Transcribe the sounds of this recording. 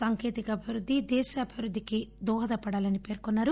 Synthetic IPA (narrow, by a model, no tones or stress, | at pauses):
saːŋkeːt̪ikɐɐbʱiʋɾud̪ʱːid̪ɛːʃɐːbʱiʋɾud̪ʱːikid̪ɔːɦɐd̪ɐpɐɽaːlɐnipe̞ːɾkɔnːaːɾu